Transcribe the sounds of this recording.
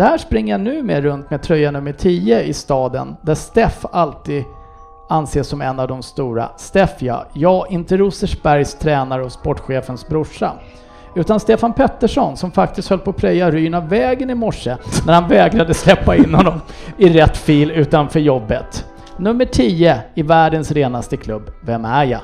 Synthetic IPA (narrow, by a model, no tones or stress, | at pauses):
d̪̥ɛhæːʂpɾɪŋːəjanʉ̟ːmeːɾɵnt̪mɛd̚t̪ʰɾœjːanɵmːəʈʰiːəɪst̪ɑːd̪ə̰nd̪æst̪ɛfalt̪iːd̪ | anːseːʂːɔmɛnːavd̪ɔmst̪uːɾa̰st̪ɛfjɑ̰ːjɑːɡɪnt̪əɾʊsəʂb̥æɾjst̪ʰɾɛːnaɾəɔspɔʈːɧeːfənsbɾʊʂa̰ | ʉ̟ːt̪anst̪eːfanpʰɛt̪ːəʂɔnsɔmfak̚t̪ɪst̪hœlːpʰɔpʰɾɛjːaɾyːɳavɛːɡənɪmɔʂːənæɾhanvɛːɡɾad̪əslɛpːaɪnːhɔnːɔmɪɾɛt̪ːfiːlʉ̟ːt̪anfœɾjɔbːət̪ | nɵmːəʈʰiːəɪvæːɖənsɾeːnast̪əkʰlɵbːvɛmæjɑ̰